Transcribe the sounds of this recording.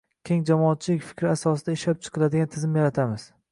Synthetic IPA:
kʲʰe̞ŋd͡ʒamɒːt̪̚t͡ʃʰɪlɪkʲfɪ̥kʲʰɾɪasɒsɪd̪aɪʃlap̚t͡ʃʰɨ̥qʰɨlˠad̪ɪɡʲant̪ʰɪzɪmjaɾat̪ʰamɪz̥

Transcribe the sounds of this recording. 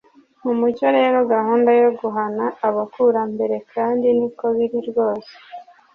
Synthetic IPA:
m̥umuɟo̞ɾe̞ːɾo̞ɡaɦuːndajo̞ɡuɦanaːβakuɾambe̞ɾe̞kʰaːndiniko̞βiɾiɾɡo̞ːse̥

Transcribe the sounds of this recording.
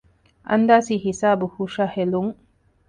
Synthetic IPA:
ʔɐ̰nd̪aːsiːhisaːbuhuʃaheluŋ

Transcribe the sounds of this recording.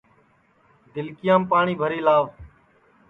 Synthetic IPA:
d̪ɪlkɪjãːmpaːɳiːbʱəɾiːlaːʋ

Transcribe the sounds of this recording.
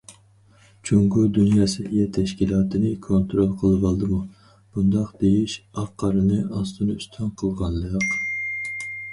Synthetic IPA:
t͡ʃʰoŋɡud̪unjɑːsɪjɛt̪ʰɛʃkʲilˠɑːt̪ʰɨnɨkʰont̪ɾolˠqʰəlˠɨvɑlˠd̪ɨmu | b̥und̪ɑqd̪ejiʃɑqʰːɑɾɨnɨʔɑst̪ʰɨnɨyst̪ʰɑnqʰəlˠʁɑnləq

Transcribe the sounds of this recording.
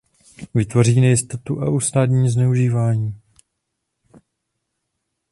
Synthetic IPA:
vɪt̪vo̞riːnɛjɪst̪ot̪uʔa̰ʔust̪aːd̪ɲiːznɛuʒiːvaːɲiː

